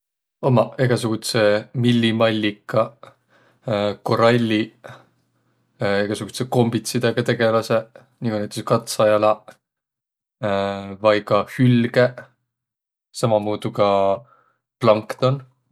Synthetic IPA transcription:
omɑe̞ɡ̥ɑsuɡ̥ut̪se̞milʲːimɑlʲːikːɑ | ko̞ɾɑlʲːi | e̞ɡ̥ɑsuɡ̥u̥seko̞mbit̪sid̪eɡ̥ɑt̪e̞ɡ̥e̞lɑse̞ | nikunæjt̪e̥skɑt̪sɑjɑlɑ | vɑjkɑhylɡ̥e̞ | sɑmɑmuːd̪̥ukɑ | plɑŋkt̪o̞n

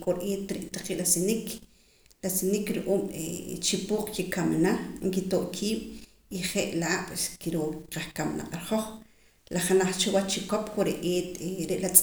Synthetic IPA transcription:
kʼoɾʔeːt̪ɾiʔt̪aqiʔlasinik | lasinikɾuʔuːmḛt͡ʃipuːq͡χkikamnaŋkit̪oʔkʰiːɓ̥ | iχeʔlaaɓ̥skiɾoqaχkamna̰qʼaɾχoχ | laχanaχt͡ʃewat͡ʃt͡ʃikopkoɾeʔeːt̪ɾeʔlat͡sʼ

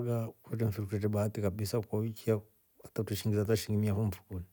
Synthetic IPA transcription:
ɡakuɛtɛɱ̩fiɾkutɛt̬ɛɓaːtikaɓisakwawikia | atatuʃiŋɡizataʃiŋɡimiafum̩fu̥kuni

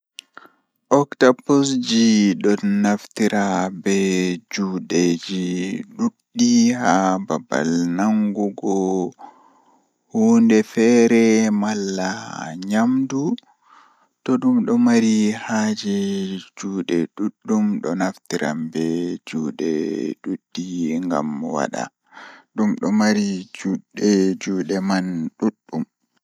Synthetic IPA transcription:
ʔɔktapusd͡ʒiɗɔnaftiɾabɛd͡ʒuːɗed͡ʒiɗuɗːihababa̰lnaŋɡuɡɔ | huːndɛfɛɾɛmalːaha̰ɲamdu | tɔɗumɗɔmaɾihaːd͡ʒid͡ʒuːɗɛɗuɗːumɗɔnaftiɾa̰mbɛd͡ʒuːɗɛ̰ɗuɗːiŋɡa̰mwa̰ɗa̰ | ɗumɗɔmaɾid͡ʒuɗɛd͡ʒuːɗɛmanɗuɗːum

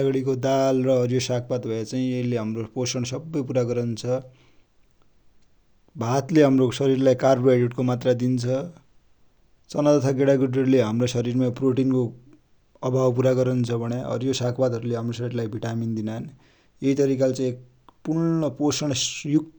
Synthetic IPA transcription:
aɡʌɽikod̪alrʌʌɾjosakʰpad̪bʱʌet͡saĩeɦleɦamroposʌɽ̃sʌbːʌjpuɾaɡʌɾʌnt͡sʰʌ | bʱat̪leɦamrosʌɾirlajkarbɖeʈkomat̪rad̪int͡sʰʌ | t͡sʌnat̪ʌt̪ʰaɡeɽaɡuɖʌrleɦamrosʌɾiɾmaproʈinko | ʌbʱawp̬uɾaɡʌɾʌnt͡sʰʌbʱʌɽjaʌ̰ɾjosakʰpad̪ɦʌɾuleɦamrosʌɾirlajbʱiʈamind̪inan | jeit̪ʌɾikalt͡saĩek̚ | puɾnʌposʌɽ̃juk

